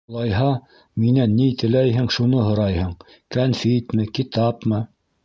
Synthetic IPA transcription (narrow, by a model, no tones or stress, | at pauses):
lˠɑjɦɑ | minænːit̪ɘ̆læjɦɘŋʃunɤɦŏɾɑjhɤɴ | kænfit̪mɘkit̪ɑpmɤ